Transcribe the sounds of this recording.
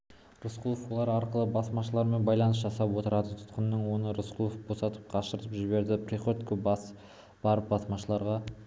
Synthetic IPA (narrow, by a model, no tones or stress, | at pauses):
ɾʊsqʰulˠofwo̞lˠɑɾɑɾqəlˠəbɑsmɑʃəlˠɑɾme̞nbɑjlˠɑnəsʒɑsɑpwo̞t̪əɾɑd̪ət̪ʰʊ̥t̪qənːəɴwo̞nəɾʊsqʰulˠofbo̞sɑt̪ə̥p̚qʰɑʃəɾt̪əpʒɪbe̞ɾd̪ɪprʲiχot̪kʏbɑs | b̥ɑɾəp̚bɑsmɑʃəlˠɑɾʁɑ